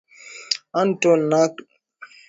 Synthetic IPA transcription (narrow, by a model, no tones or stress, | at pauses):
antonak